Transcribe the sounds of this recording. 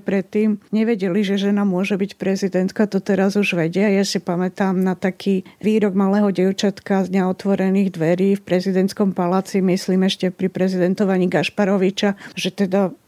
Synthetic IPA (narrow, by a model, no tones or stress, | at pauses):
pɾɛt̪ːiːmɲɛʋɛɟɛliʒɛʒɛnamʊɔʒɛbicpɾɛzid̪ɛnt̪kat̪ɔt̪ɛɾazuʒʋɛɟɛajasipamɛt̪aːmnat̪akʰiːʋiːɾɔɡmalɛːɦɔɟɛʊt͡ʃat̪kazɲɛɔt̪ʋɔɾɛniːɣd̪ʋɛɾiːfpɾɛzid̪ɛnt̪skɔmpalaːt͡simisliːmɛʃcɛpɾipɾɛzid̪ɛnt̪ɔʋaɲiːɡaʃpaɾɔʋit͡ʃaʒɛt̪ɛd̪a